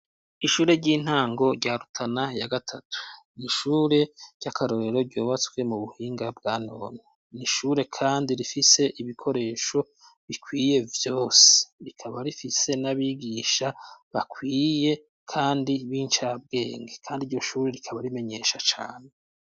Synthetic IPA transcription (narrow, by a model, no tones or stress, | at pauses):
iʃuːɾe̞ɾɟiːn̥haːŋɡo̞ɾɟaːɾutʰanajaɡatʰatʰu̥ | niʃuːɾe̞ɾɟ̥akʰaɾo̞ɾe̞ɾo̞ɾɟoːβat͡swe̞muβuhiːŋɡabɡaːno̞̰no | niʃuːɾe̞kʰaːndiɾifise̞ʔiβikʰo̞ɾe̞ːʃo̞ | βikʰwiːje̞vjo̞ːse̥ɾikʰaβaɾifise̞naβiːɡiːʃaβakwiːje̞ | kʰaːndiβiːnt͡ʃab̚ɡe̞ːŋɡe̞kʰaːndiɾɟo̞ʃuːɾe̞ɾikʰaβaɾime̞ɲe̞ʃat͡ʃaːne̞